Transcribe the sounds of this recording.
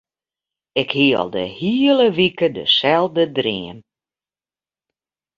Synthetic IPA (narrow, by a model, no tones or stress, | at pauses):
ɪkhiəɔ̰lˠdə̰hiːələʋikədə̰sɛlˠdədrɪən